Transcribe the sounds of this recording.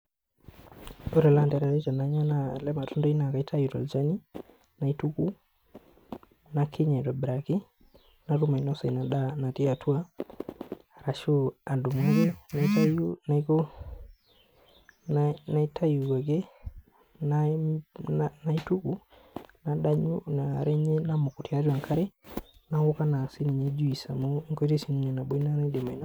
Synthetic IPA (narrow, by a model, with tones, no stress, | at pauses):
o˦ɾɛ˨la˦ndɛ˨ɾa˨ɾe˦ta˨na˨˦ɲa˦na˦lɛ˦ma˨tʊ˦ndɔ˦i˦na˨ka˨i˦tʰa˦ju˨tɔ˨ld͡ʒa˦ni˦ | na˨i˦tu˦ku˦ | na˨˦kʰɪ˦ɲɛ˨tɔ˨bɾa˨kɪ˦ | na˨ɾu˦ma˨nɔ˦sɔ˨i˨na˨ɗa˦na˨ti˦a˨tʰu˦a˦˨ | ɾa˨ʃu˦a˨du˨mo˦ɡe˦na˨˦ta˦na˨ko˦ | nna˨i˦tʰa˦ju˨a˨ɡɛ˦ | na | na˦i˦tu˦ku˨ | na˨da˦ɲu˦na˨ɾɛ˦ɲɛ˦na˦mo˨ko˨tja˦ɾa˨ŋkʰa˦ɾɛ˦na˨wo˦ka˦na˨si˦ni˨ɲe˨˦d͡ʒu˦i˨sa˨mo˦ŋko˦i˦ɾe˦si˦ni˦ɲɔ˨na˨bo˦i˦na˦na˦i˦de˨ma˨i˨n˦